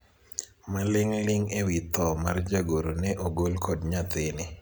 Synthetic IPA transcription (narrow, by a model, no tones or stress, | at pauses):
malɪŋlɪŋewit̪ɔma̰rd͡ʒaɡoɾonɛʔoɡolkʰodɲat̪ɪnɪ